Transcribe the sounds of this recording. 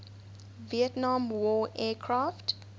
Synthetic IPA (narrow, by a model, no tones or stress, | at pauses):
viətnãmwɔːʔɛːkʰɹaːft